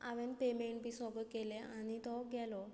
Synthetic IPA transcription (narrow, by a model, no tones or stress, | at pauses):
aʋenpemeɳʈbisɔɡət̪̚keleañit̪ɔɡɛlɔ